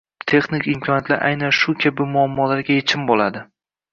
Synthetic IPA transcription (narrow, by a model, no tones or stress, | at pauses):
t̪ʰe̞χnɪkʲɪmkʲʰɒnjt̪ʰlaɾʔa̰jnanʃʊkʲʰabɪmʊamːɒlaɾɡʲajet͡ʃʰɪmbolad̪ɪ